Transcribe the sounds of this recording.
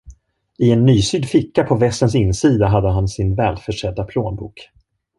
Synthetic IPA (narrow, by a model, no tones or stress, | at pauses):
ɪɛnːyːsyːd̪fɪkːapʰɔvɛst̪əns̬ɪnːsiːd̪aɦad̪ːəɦansɪnvɛːlfœʂɛd̪ːapʰloːnbṵːk